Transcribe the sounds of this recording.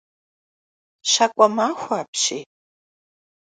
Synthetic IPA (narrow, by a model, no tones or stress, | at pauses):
ɕakʷʼɔmaːxʷaːpɕiː